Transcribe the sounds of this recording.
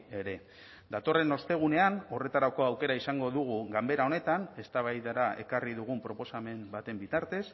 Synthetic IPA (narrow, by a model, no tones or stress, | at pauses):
e̞ɾe̞ | d̪at̪o̞re̞no̞st̪e̞ɣ̞une̞ano̞re̞t̪aɾako̞awke̞ɾaisaŋɡo̞ðuɣ̞uɣambe̞ɾaone̞t̪ane̞st̪aβajðaɾae̞kariðuɣ̞umpɾo̞po̞same̞mbat̪e̞mbit̪aɾt̪e̞s